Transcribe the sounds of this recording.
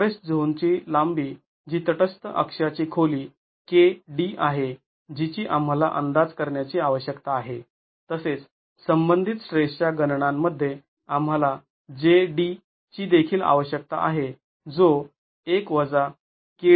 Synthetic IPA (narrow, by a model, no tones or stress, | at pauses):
ɾesʈd͡zʱont͡ɕiːlambiː | d͡ʑiːt̪əʈəst̪əʔə̰kʂat͡ɕiːkʰoliː | keɖiʔaɦe | d͡ʑit͡ɕiːʔam̤alaʔənd̪ad͡zkəɾɳjat͡ɕiːaʋəɕjəkt̪aːɦe | t̪əset͡s | səmbənd̪ʱit̪ɕɾeʂʈjaɡənɳamːəd̪ʱːje | am̤ɦala | d͡ʑeɖi | t͡ɕiːd̪ekʰiːla̰ʋəɕjək̚t̪a̰ʔa̰ɦe | d͡zo | ekʋəd͡za | ke